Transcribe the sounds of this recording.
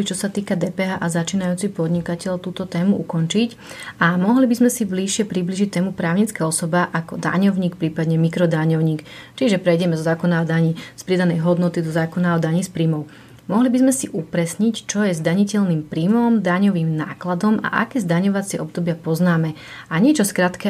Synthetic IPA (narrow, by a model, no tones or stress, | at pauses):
it͡ʃɔsat̪iːkad̪ɛːpɛɦaːʔazat͡ʃiːnajuːt͡sipɔd̪ɲikacɛʎt̪uːt̪ɔt̪ɛːmuʔukɔnt͡ʃic | ʔamɔɦlibizmɛsibliʃɪɛpɾibliːʒic̚t̪ɛːmupɾaːʊɲit͡skaɔsɔbaʔakɔd̪a̰ɲɔʊɲiːkpɾiːpad̪ɲɛmikɾɔd̪aɲɔʊɲiːkt͡ʃiʒɛpɾɛjɟɛmɛzɔzaːkɔnaɔd̪aɲispɾid̪anɛjɦɔd̪nɔt̪id̪ɔzaːkɔnaɔd̪aɲispɾimɔʊ | mɔɦlibizmɛsiʔupɾɛsɲict͡ʃɔjɛzd̪aɲicɛʎniːmpɾimɔmd̪aɲɔʋiːmna̰ːklad̪ɔma̰ʔa̰kɛːzd̪aɲɔʋat͡sɪɛʔɔb̚d̪ɔbɪapɔznaːmɛ | aɲɛt͡ʃɔskɾat̪kɛ